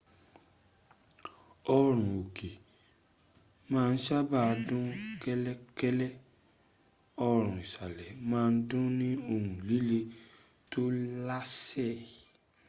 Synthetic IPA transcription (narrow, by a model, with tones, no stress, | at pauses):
ɔ˧ɾ̃ũ˨o˨ke˨ | mãː˦˧n̩˦ʃa˦ba˦˧dũ˦kɛ˦lɛ˦kɛ˦lɛ˦ | ɔ˧ɾ̃ũ˨i˨ʃa˨lɛ˨mãː˦˧n̩˦dũ˦nĩ˦o˧hũ˨li˨˦le˧ | to˦la˦sɛ˦˨